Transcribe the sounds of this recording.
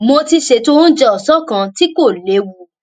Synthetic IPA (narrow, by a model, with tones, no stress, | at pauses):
mo˧ti˧ʃe˧˦to˦˧ɾũ˦d͡ʒɛ˧ɔ˨sɔ˦kã˧ti˦ko˦˨le˨˦wu˧